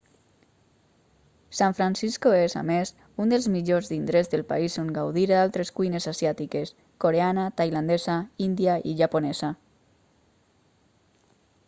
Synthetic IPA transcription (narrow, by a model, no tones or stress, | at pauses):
saɱfɾansiskoeza̰mes | und̪elzmiʎozðind̪ɾezðelˠpa̰isoŋɡawðiɾðalˠt̪ɾeskuijnezasjat̪ikes | koɾeanat̪ajland̪ezaind̪iaḭʒaponɛza